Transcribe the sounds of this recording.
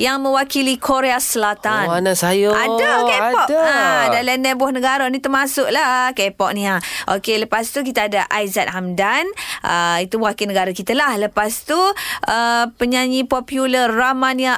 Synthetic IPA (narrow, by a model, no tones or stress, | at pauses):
jaŋmə̃wakilikʰoɾeasəlat̪ananasajoadakɛpɔʔadalɛndɛbɔhnə̃ɡaɾanit̪əmasʊʔ̚lakɛpɔʔ̚nĩaʔokeləpast̪uk̬it̪aːdaʔajzat̪̚ɦamdanʔəit̪uwakilnəɡaɾakit̪alahləpast̪uʔəpəɲaɲipɔpjuləːamania